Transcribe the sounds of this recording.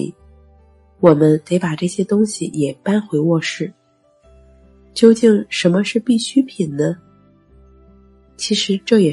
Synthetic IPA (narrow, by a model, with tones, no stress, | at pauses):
wɔ˨˩mə˦nt̪e˧˥ɪpa˨˩ʈ͡ʂɤ˥˩ɕjɛ˥t̪ʊ˥ŋɕi˨jɛ˨˩pa˥nxwe˧˥ɪwɔ˥˧ʂɻ̩˥˩ | t͡ɕjo˥˧ʊt͡ɕi˥˩ŋʂə˧˥nmə˧ʂɻ̩˥˧pi˥˩ɕy˥pʰi˨˩nnə˦ | t͡ɕʰi˧˥ʂɻ̩˧˥ʈ͡ʂɤ˥˩jɛ˨˩